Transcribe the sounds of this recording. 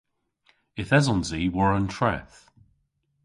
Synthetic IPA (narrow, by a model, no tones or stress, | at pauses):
ɪθɛzɔ̃nziwəɹə̃ntʰɹ̥ɛ̰θ